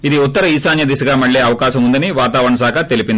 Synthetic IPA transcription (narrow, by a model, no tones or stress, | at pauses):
id̪iut̪ːɐɾɐiːsaːnjɐd̪isɐɡaːmɐɭːeːɐʋɐkaːʃɐmund̪ɐniʋaːt̪aːʋɐɾɳɐsaːkʰɐt̪elipind̪